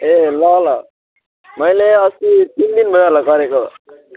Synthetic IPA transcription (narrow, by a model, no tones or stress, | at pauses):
elʌɦla | mʌjleʌsit̪ind̪inbʱʌjɦʌlakʌɾeko